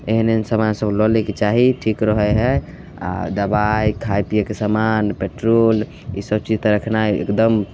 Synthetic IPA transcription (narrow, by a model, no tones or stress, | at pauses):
eɦnensəmansəblɔlɛket͡ʃaɦiʈʰikɾəɦɛɦɛ | a̰d̪əbajkʰajpijakesamanpeʈɾol | isəb̚t͡ʃid͡ʒt̪ɔɾəkʰnajḛkd̪əm